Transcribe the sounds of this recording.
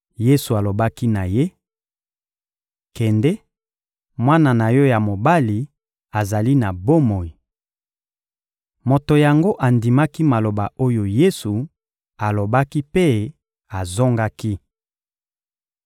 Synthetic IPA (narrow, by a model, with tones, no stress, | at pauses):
je˦su˨a˨lo˨ba˦ki˦na˨je˦ | kɛ˨ndɛ˦ | mwa˦na˨na˨jɔ˦ja˨mo˨ba˦li˨ | a˨za˨li˦na˨bo˦mo˨i˨ | mo˨to˨ja˨ŋɡo˦ʔa˨ndi˨ma˦ki˦ma˨lo˨ba˨o˦jo˨je˦su˨ | a˨lo˨ba˦ki˦pe˦ | a˨zo˦ŋɡa˦ki˦